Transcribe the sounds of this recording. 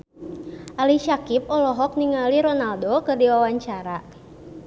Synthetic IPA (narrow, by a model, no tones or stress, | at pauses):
ʔaliʃakip̚ɔlɔɦɔk̚niŋaliɾɔnaldokɨrdiwawaɲt͡ʃaɾa